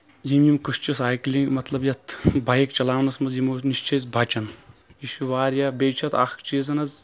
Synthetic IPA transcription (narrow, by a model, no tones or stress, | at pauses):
jimjimkɨst͡ʃisaːjkliŋɡmɐt̪lɐbjɐt̪ʰbʱɐjkt͡ʃɐlaːʋnɐsmɐzjimoːniʃt͡ʃʰɐjzbʱɐt͡ʃɐniʃuʋaːɾjaːbeːt͡ʃʰɐt̪ʰaxkt͡ʃiːzɐnɐz